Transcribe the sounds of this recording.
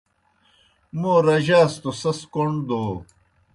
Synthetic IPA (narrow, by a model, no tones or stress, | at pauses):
moːɾɐʑaːst̪osɐskoɳd̪oː